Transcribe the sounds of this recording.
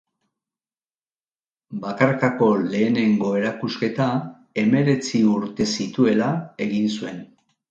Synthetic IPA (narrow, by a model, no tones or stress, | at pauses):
bakaɾkako̞le̞ːne̞ŋɡo̞e̞ɾakuske̞t̪a | e̞me̞ɾe̞t͡siuɾt̪e̞sit̪ue̞lae̞ɣinsue̞n